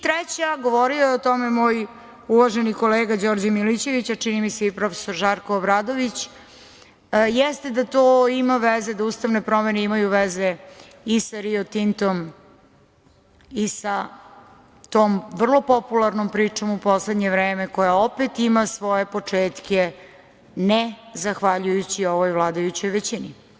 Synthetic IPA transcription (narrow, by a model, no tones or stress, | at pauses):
t̪ɾɛt͡ɕaɡo̞ʋo̞ɾiojeot̪o̞memoːj | uʋaʒeniko̞leːɡad͡ʑo̞ɾd͡ʑamilit͡ɕe̞ʋit͡ɕat͡ʂinimiseipɾo̞fe̥soɾʒaɾkoːbɾad̪oʋit͡ɕ | jɛst̪e̞d̪at̪oːimaʋezed̪auːst̪aʋne̞pɾo̞me̞neimajuʋeze | isaɾiot̪int̪om | isa | t̪oːmʋr̩lˠo̞populˠaɾnompɾiːt͡ʂo̞mupo̞sled̪ɲe̞ʋɾeːme̞ko̞jaopet̪imasʋo̞je̞po̞t͡ʂeːt̪kʲe | nezaxʋaʎujut͡ɕio̞ʋojʋlˠaːd̪ajut͡ɕo̞jʋet͡ɕini